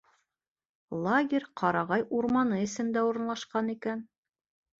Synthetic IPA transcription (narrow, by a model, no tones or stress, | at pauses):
lˠaɡʲerʲqʰɑɾɑʁɑjʔuɾmɑnɤɘ̆sɘ̆md̪æuɾɤ̆nlˠɑʃqɑnikæn